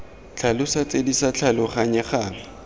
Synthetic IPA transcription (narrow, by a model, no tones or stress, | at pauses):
t͡ɬʰalʊsat͡sʼedisat͡ɬʰalʊχaɲɛχaːŋɪ